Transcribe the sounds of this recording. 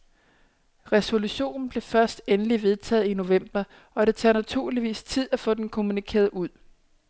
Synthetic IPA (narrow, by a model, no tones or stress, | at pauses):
ʁɛso̝luɕo̝̰ːnn̩b̥le̝fɶɐsd̥enəliʋe̝ð̞ˠt͡sʰɛ̰ːð̩ˠino̝ʋem̰b̥ɐ | ɒ̽ɾ̥e̝t͡sʰæ̰ːnæt͡sʰuɐ̰liʋḭːst͡sʰið̞̰ˠæfɔ̰̽ːd̥enkʰo̝munikʰe̝̰ːɐðˠuð̰ˠ